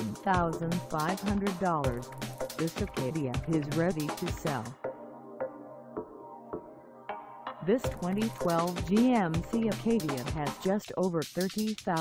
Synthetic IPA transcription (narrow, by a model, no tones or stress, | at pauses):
nθaʊzɨ̃nd̥faɪv̥ɦʌ̃ndɹɨdɔlˠə˞zðɪsɨ̥kʰeɪɾiɨɪzɹɛɾiɾɨsɛ̰lˠ | ðɪstʰw̥ɛ̃ñitʰw̥ɛlˠvd͡ʒiɛ̃msiɨkʰeɪɾiɨɨzd͡ʒʌstoʊvə˞θɜ˞ɾiθa